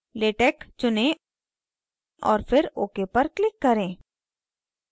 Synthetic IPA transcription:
leːʈɛːkt͡ʃʊnẽ | ʔɔːɾfɪɾoːkepɐɾklɪkːɐɾẽː

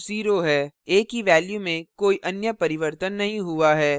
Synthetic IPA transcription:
ziːɾoɦɛːeːkɦiʋɛːljumẽkoːiʔɐnjəpɐɾɪʋəɾt̪ənːɐɦĩɦuaɦɛː

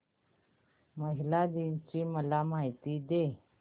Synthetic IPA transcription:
məɦilad̪int͡ɕiːməlamaɦit̪iːd̪e

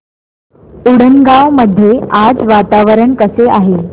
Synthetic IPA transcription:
uɽənɡaʋməd̪ʱːjead͡zʋat̪aʋəɾəɳkəseaɦe

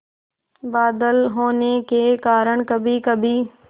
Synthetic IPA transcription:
baːd̪əlɦoːnekeːkaːɾəɽ̃kəbʱikəbʱi

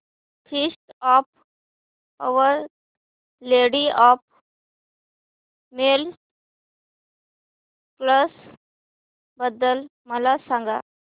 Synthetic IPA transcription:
fʰisʈɔp | əʋəɾ | leɽiɔp̚ | mel | kləs | bəd̪ːəlməlasãŋɡa̰

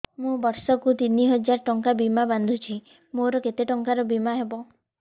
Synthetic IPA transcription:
mũbɔɾsɔkut̪iniɦɔd͡ʒaɾʈɔŋkabimaband̪ʱut͡ʃʰi | moɾɔket̪eʈɔŋkaɾɔbimaɦebɔ

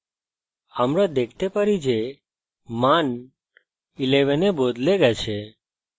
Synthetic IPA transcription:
amɾad̪ekʰt̪epəɾid͡ʒe | man | ileʋɛnebod̪ʱleɡat͡ʃʰe

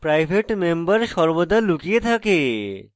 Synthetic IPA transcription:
pɾajbʱeʈmembaɾʃɔɾbod̪ʱalukijet̪ʰake

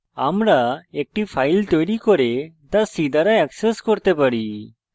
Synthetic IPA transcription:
amɾaek̚ʈipʰaːɪlt̪ɔjɾikɔɾet̪asid̪ʱaɾaɛkseskɔɾt̪epaɽi

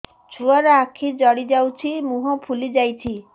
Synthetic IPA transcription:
t͡ʃʰuaɾɔakʰid͡ʒɔɽid͡ʒawt͡ʃʰimuɦɔpʰulid͡ʒajt͡ʃʰi

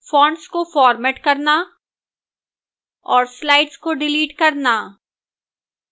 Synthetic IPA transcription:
fɔ̃ːɳɖskofɔːɾmeːʈkɐɾna | ɔːɾslaːɪʈskoɖɪliːʈkɐɾna

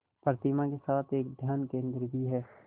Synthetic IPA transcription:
pəɾt̪imãkesaːt̪ʰeːk̚d̪ʱjaːnkẽːnd̪ɾibʱiɦɛː

